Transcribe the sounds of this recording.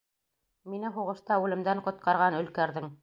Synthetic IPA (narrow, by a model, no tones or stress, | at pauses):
minɘɦuʁɤ̆ʃt̪ɑʉlɘ̆md̪æɴqŏt̪̚qɑɾʁɑnɵ̆lkæɾðɘŋ